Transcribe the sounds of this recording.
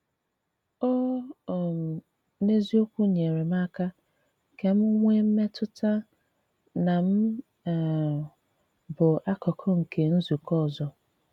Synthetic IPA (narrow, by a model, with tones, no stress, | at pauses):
o˦˨m̩˨ | ne˦zi˦o˦kʷu˦ɲe˨ɾe˨m˦a˦ka˦ | ke˦m̩˦ŋʷe˦m̩˦me˦tʊ˦ta˦ | na˨m̩˦˨ | bʊ˨a˦kɔ˨kʰɔ˦ŋ̩˨kʰe˨n̩˦zu˨kɔ˦˨zɔ˨